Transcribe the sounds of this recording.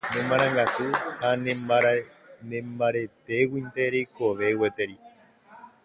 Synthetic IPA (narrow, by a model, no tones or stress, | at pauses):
nẽmãɾ̃ãŋɡat̪uh̪anẽ | nẽmbaɾet̪e̞wĩnt̪eɾejkoʋe̞wet̪eɾi